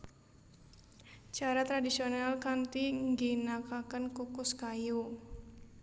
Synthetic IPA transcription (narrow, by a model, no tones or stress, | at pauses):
t͡ʃaɾat̪ɾadisionalkant̪iŋɡinakakənkukʊskaju